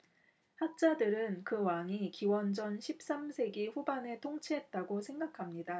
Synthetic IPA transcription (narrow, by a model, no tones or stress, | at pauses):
hak̚t͡ɕ͈adɯɾɯnkɯwaŋikiwʌnd͡ʑʌnɕʰip̚s͈amsʰe̞ɡiɸubane̞tʰoŋt͡ɕʰiɦe̞t̚t͈aɡosʰe̞ŋɡakʰamɲida